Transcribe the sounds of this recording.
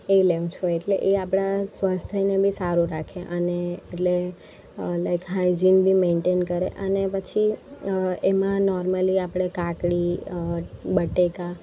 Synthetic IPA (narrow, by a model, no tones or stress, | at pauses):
eleʋ̃t͡ʃʰoeʈleʔeapɽ̃asʋast̪ʰəinebʱisaɾuɾakʰeʔəneːʈle | lajkɦaid͡ʒinbʱimeɳʈenkəɾḛʔənepət͡ʃʰi | emãnɔɾməliapɽ̃ekakɽi | bəʈeka